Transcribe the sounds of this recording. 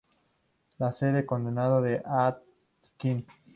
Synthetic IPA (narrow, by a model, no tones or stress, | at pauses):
laseðekond̪enaðoðeʔat̪ | kin